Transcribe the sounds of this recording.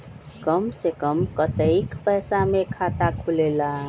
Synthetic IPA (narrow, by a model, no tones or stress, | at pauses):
kəmsekəmkət̪əikpəjsamekʰat̪akʰulela